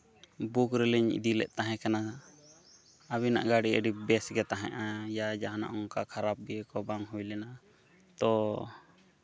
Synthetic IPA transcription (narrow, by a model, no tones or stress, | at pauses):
bukɾɛlɛɲḭd̪ilɛ̰ʔt̪aɦɛ̃kana | abina̰ʔɡaɽiəɖibɛsɡɛt̪aɦɛ̰̃ʔajad͡ʒaɦana̰ʔɔŋkakʰaɾap̚ɡiɛkɔbaŋɦujlɛna | t̪ɔ